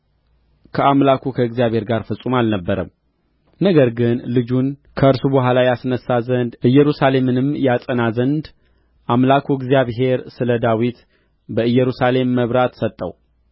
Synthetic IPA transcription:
kʰəamlakʰukʰəɨɡzijaβhe̞ɾɡaɾfəsʼumalnəbːəɾə̰m | nəɡəɾɡɨnlɨd͡ʒunkʰəɨɾsubɨɦʷalajasnəsːazənd̪ʔɨjːɛɾusale̞mɨnɨmjasʼənazənd̪ | ʔamlakʰuɪɡzijaβɦe̞ɾsɨləd̪awit̪ | bəɨjɛɾusale̞mːəβɾat̪sət̪ʼːə̰w

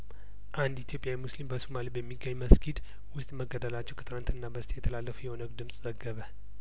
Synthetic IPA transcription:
ʔand̪it̪jo̞pʼːjawimuslimbəsumalibəmːiɡːəɲːməskʰid̪ | wʊst̪ʼməɡəd̪əlat͡ʃːɛwkʰət̪ɨnant̪ɨnːabəst̪ʰʼjɛt̪ʰəlalːəfujɛho̞nəɡd̪ɨmsʼz̥əɡːəβə

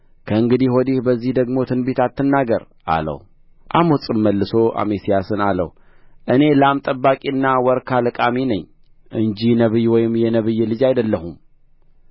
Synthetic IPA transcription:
kʰəɨŋɡɨd̪iwɔd̪ihbəzːihd̪əɡmo̞t̪ʰɨnbet̪at̪ʰːɨnːaɡəɾ | ʔa̰lə̰w | ʔamot͡sʼɨmːəlːɨso̞ʔa̰mesijasɨnalə̰w | ʔɨne̞ləamt̪ʼəbːakʼiɨnːawɔɾkʰalɨkʼaminəɲː | ʔɨɲd͡ʒinəβɨjwɔjɪmjɛnəβɨjːɛlɨd͡ʒajd̪əlːəhum

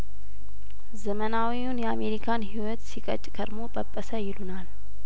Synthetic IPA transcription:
zəmənawiunjɛame̞ɾikʰanhiwɔt̪sikʼə̰t͡ʃʼkʰəɾmo̞bʼəpʼːəsəjɪlunal

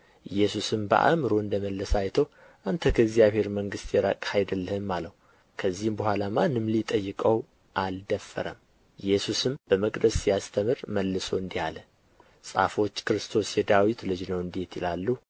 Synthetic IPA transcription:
jɛsusɨmbə̰ʔa̰mɨɾoɨnd̪əməlːəsajt̪ʰəw | ʔant̪ʰəkʰəɪɡzijaβhe̞ɾməŋɡɨst̪jɛɾə̰kʼhajd̪əlːəhɨmːaləhu | kʰəzːihmbəhʷalamanɨmlit̪ʼəjːɨkʼəw | ʔald̪əfːə̰ɾə̰m | jɛsusɨmb̥əməkʼd̪əsːijast̪ʰəmɨɾməlːɨso̞ɨnd̪ihalə | sʼa̰fo̞t͡ʃːkɨɾɨst̪ʰo̞sjɛd̪awit̪lɨd͡ʒnəwɨnd̪e̞t̪ɪlalːu

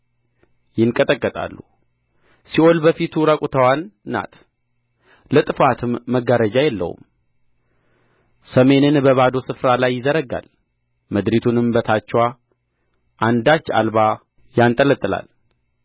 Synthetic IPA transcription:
jɪŋkʼət̪ʼəkʼːət̪ʼa̰lːṵ | siʔo̞lbəfit̪ʰuɾakʼut̪ʰəwanːa̰t̪ | lət̪ʼɨfat̪ʰɨmːəɡaɾəd͡ʒajɛlːə̰hṵm | səme̞nɨnbəβad̪o̞sɨfɾalajːɪzəɾəɡa̰l | məd̪ɾit̪ʰunɨmbət̪ʰat͡ʃːɛwa | ʔand̪at͡ʃːa̰lba | jant̪ʼələt̪ʼɨla̰l

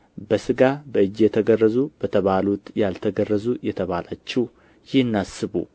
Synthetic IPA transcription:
bəsɨɡabəɨd͡ʒjɛt̪ʰəɡərːəzub̥ət̪ʰəβalut̪jalt̪ʰəɡərːəzujɛt̪ʰəβalat͡ʃːɛh | jɪhɨnːasɨβṵ

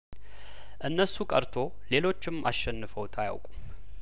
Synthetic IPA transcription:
ʔɨnːəsːukʼəɾt̪ʰo̞ | le̞lo̞t͡ʃːɪmʔaʃɛnːɨfəwt̪ʰaja̰wkʼum

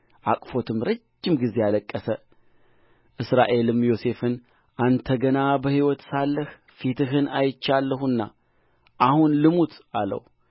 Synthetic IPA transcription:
ʔakʼfo̞t̪ʰɨmɾəd͡ʒːɪmɡize̞aləkʼːəsə | ʔɨsɾaʔe̞lɨmjo̞se̞fɨn | ʔant̪ʰəɡənabəhiwɔt̪salːəh | fit̪ʰɨɦɨnʔajɪt͡ʃːalːəɦunːa̰ | ʔahunlɨmut̪alə̰w

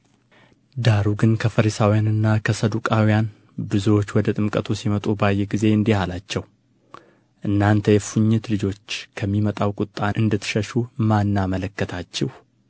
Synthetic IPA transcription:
d̪aɾuɡɨnkʰəfəɾisawijanɨnːakʰəsəd̪ukʼawijan | bɨzuwo̞t͡ʃːwɔd̪ət̪ʼɨmkʼət̪ʰusimət̪ʼubajːɛɡize̞ɨnd̪ihalat͡ʃːɛw | ʔɨnːant̪ʰəjɛfuɲːɛt̪lɨd͡ʒo̞t͡ʃːkʰəmːimət̪ʼawkʼʊt̪ʼːaʔɨnd̪ət̪ʰɨ̥ʃəʃumanːamələkːət̪ʰat͡ʃːɪh

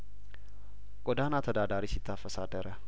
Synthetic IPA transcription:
ɡ̥ʼɔd̪anat̪ʰəd̪ad̪aɾisɪt̪ʰːafəsad̪əɾə

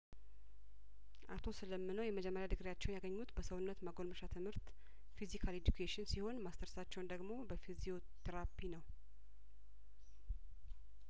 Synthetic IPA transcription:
ʔat̪ʰo̞sɨləmːɨnəwjɛməd͡ʒɛmːəɾjad̪ɨɡɾjat͡ʃːɛwnjaɡəɲːut̪bəsəwʊnːət̪məɡolməʃat̪ʰɨmhɨɾt̪ | fizikʰaled͡ʒ̪ukʰeʃɪnsiho̞nmast̪ʰəɾsat͡ʃːɛwnd̪əɡmo̞bəfizio̞t̪ʰəɾapʰinəw

